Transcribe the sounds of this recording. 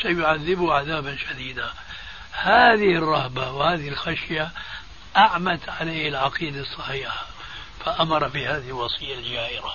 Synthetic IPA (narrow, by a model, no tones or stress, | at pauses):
ʃajʊʕaðːɪbʊʕaðaːbanʃad̪iːd̪a | haːðɪhɪrˤːɑhbawhaːðɪhɪlxaʃja | ʔaʕmat̪ʕaleːhɪlʕɑqiːd̪asˤːɑħiːħḁ | faʔamɑɾˤɑfiːhaːðɪhɪlwɑsˤijːald͡ʒaːʔɪɾa